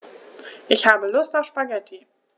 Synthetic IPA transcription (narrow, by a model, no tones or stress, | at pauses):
ʔɪçhaːbəlʊstaʊfʃpaɡɛtʰi